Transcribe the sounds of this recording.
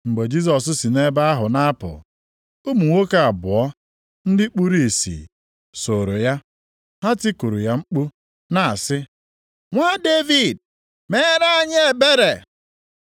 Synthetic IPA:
ŋ͡m̩˨ɡ͡be˨d͡ʒi˦s̬ɔ˨sʊ˦si˨ne˦ba˦a˦ɦʊ˨na˦pʊ̰˨ | u˦mu˨ŋʷo˦ka˦˨a˨bʊ˨ɔ˦ | n̩˦dɪ˦k͡pu˦ɾi˨sḭ˨ | so˨ɾo˨ja˦ | ha˦ti˦ku˨ɾu˨ja˦ŋ͡m̩˦k͡pu˦ | na˨a˨sɪ˦ | ŋʷa˦de˦vi˨d̚ | me˦ɾa˦a˦˨ɲe˦˨be˦ɾe˨

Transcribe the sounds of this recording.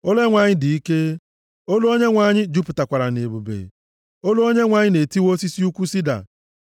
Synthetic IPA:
o˦le˦ŋʷa˨ɲɪ˦di˨i˦ke˦ | o˦lo˦o˦ɲe˦ŋʷa˨ɲɪ˦d͡ʒu˦pʊ˨ta˨kʷa˨ɾa˨ne˨bu˨bḛ˨ | o˦lo˦o˦ɲe˦ŋʷa˨ɲɪ˦ne˨ti˦wo˦si˦si˦u˦kʷu˦si˦da̰˨

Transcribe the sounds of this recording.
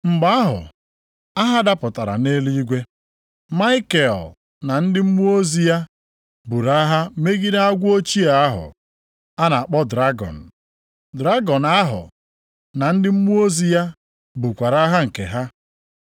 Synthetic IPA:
ŋ͡m̩˨ɡ͡ba˦a˦ɦʊ̰˨ | a˦ɦa˦da˦pʊ˨ta˨ɾa̰˨ne˦li˦i˦ɡʷe˦ | ma˦ɪ˦ke˨l | na˨n̩˦dɪ˦m̩˦mu˦o˦zi˦ja˦ | bu˨ɾa˦ɦa˦me˦ɡi˦da˦a˦ɡʷʊ˦o˦t͡ʃi˦a˨a˦ɦʊ̰˨ | a˦na˨a˨k͡pɔ˦dɾa˦ɡɔ̰˨n̩˨ | dɾa˦ɡɔ˨na˦ɦʊ̰˨ | na˨n̩˦dɪ˦m̩˦mu˦o˦zi˦ja˦ | bu˨kʷa˨ɾa˦ɦa˦ŋ̩˨ke˨ɦa˦

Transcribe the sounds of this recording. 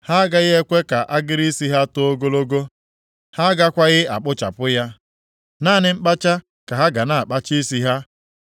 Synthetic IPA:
ha˦ɡa˦ɣɪ˦e˦kʷe˦ka˨ʔa˦ɡɪ˦ɾi˦si˦ɦa˦to˦o˦ɡo˦lo˦ɡo˦ | ha˦ɡa˦kʷa˦ɣɪ˦a˨k͡pʊ˦t͡ʃa̰˨pʊ˦ja˦ | naː˦˨nɪ˦ŋ͡m̩˦k͡pa˦t͡ʃa˦ | ka˨ɦa˦ɡa˨na˨a˨k͡pa˦t͡ʃi˦si˦ɦa˦

